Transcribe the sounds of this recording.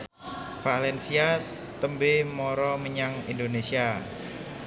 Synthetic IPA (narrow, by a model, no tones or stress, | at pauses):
falɛnsia | t̪əmbemɔɾɔməɲaŋḭndonesia